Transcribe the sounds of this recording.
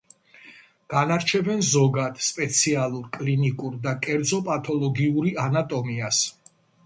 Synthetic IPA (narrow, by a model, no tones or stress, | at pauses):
ɡ̥anaɾt͡ʃʰɛbɛnzɔɡad̪̥spʼɛt̪sʰialˠuɾkʼlinikʼuɾd̪akʼɛɾd̪zɔpʼat̪ʰʼɔlˠɔɡiuɾianat̪ʼɔmias